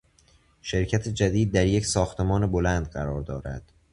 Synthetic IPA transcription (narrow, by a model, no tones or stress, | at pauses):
ʃe̞ɾcʰæt̪ʰed͡ʒæd̪iːd̪̚ːæɾje̞csɒːxt̪ʰe̞mɒːnebo̞lænd̪ɢæɾɒːɾd̪ɒːɾæ̰d̪̥